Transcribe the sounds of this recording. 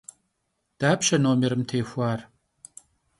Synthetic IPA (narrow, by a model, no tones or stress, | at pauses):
d̪̥aːpʃɐnoːmeɾɨmt̪ʰeːxʷaːr